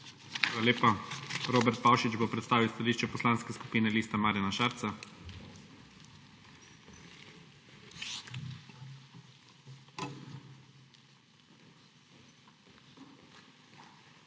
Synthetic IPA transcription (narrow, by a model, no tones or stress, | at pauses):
xaːlaleːpaɾoːbɛɾt̪̚pawʃid͡ʒbopɾɛt̪st̪aːʋiwst̪aliːʃt͡ʃɛpɔslanskɛsku̥piːnɛliːst̪amaːɾjanaʃaɾt̪sa